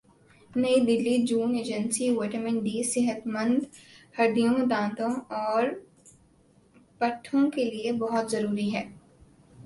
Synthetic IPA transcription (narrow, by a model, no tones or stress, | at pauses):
nɐid̪ɪlːid͡ʒuːneːd͡ʒə̃nsiʋeːʈəɾmɪ̃ɳɖiːsɪɦət̪mə̃nd̪hɐɖ̪ijõd̪ãːt̪õɔːɾ | pɐʈʰːõkeliebɐɦʊt̪zɐɾuːɾiɦɛː